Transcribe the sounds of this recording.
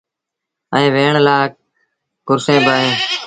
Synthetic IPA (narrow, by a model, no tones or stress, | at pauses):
əẽːʋeːɳlaːk̚ | kʊɾsẽːbaːɦẽː